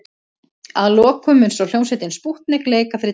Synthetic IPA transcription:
aðlɔːkʰːʏmʏnsɔwl̥jowsɪt̪ɪnspuht̪nɪkleːjkafɾɪ

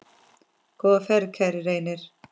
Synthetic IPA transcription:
kɔːfɛɾkʰɛɾɾejnɪɾ̥

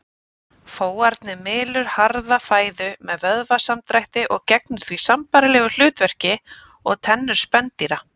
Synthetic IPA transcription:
foːwaɾt̪nɪmɪːlʏɾ̥haɾðafaːjðʏmɛðvœðvasamt̪ɾajht̪ɪʔɔɣcɛk̚nʏɾ̥θvisampajɾɪlɛːɣʏl̥ʏːt̪vɛr̥cɪ | ɔɣt̪ʰɛnːʏɾ̥spɛnt̪iɾa

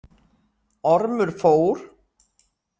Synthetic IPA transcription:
ɔɾmʏɾ̥foːwɾ̥

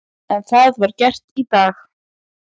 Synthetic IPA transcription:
ɛnθaðvaɾcɛr̥t̪it̪aːx

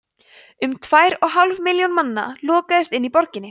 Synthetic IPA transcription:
ʏmt̪ʰvaːjɾɔɣɦalvmɪljɔwnmanːa̰lɔːkaðɪst̪ɪnːipɔɾcɪnːɪ

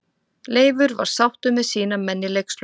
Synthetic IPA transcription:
leːjvʏɾva̰ɾ̥sawht̪ʏmːɛðsiːnamɛnːɪleksl

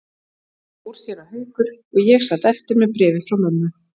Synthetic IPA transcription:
uɾ̥sjɛɾahœɥkʏɾ̥ɔɣjɛɣsat̪ɛft̪ɪɾmɛðpɾɛːvɪfɾawmœnːʏ

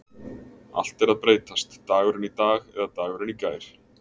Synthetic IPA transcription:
a̰l̥t̪ɛɾaðpɾeːjt̪ast̪ːaːɣʏɾɪnit̪aːɣɛðat̪aːɣʏɾɪnikaːjɾ̥

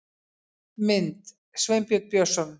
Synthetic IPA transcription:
mɪnt̪ | svempjɔt̪̚pjɔsɔn

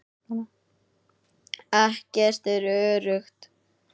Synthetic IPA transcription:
ɛhcɛr̥t̪ɛɾœːɾʏxt̪

